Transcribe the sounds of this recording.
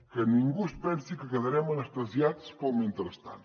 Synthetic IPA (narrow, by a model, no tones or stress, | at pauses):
kɐnĩŋɡuʃpɛnsikɨkɐðɐɾɛmɐnɐʃt̪ɐzjaðspomĩnt̪ɨɾɐʃt̪a̰n